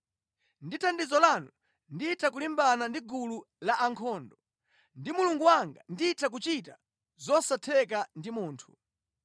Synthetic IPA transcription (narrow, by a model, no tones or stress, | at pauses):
nditʰandizɔlanu | ndiitʰakulimbanandiɡulu | laʔaŋkʰɔːndɔ | ndimuluŋɡuwaŋɡa̰ndiːtʰak̬ut͡ʃita | zɔsatʰɛkandimuːntʰu̥